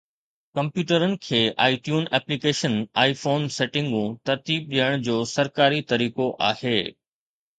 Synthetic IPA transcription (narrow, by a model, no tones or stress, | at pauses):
kɐ̃mpjuːʈəɾənɪ̆kʰeːʔa̰ːiʈjuːnɛːplikeːʃənaːifoːnseːʈɪ̃ŋɡũt̪ɐɾt̪iːb̚ɗijəɽ̃d͡ʑoːsɐɾkaːɾit̪ɐɾiːkoʔa̰ːheː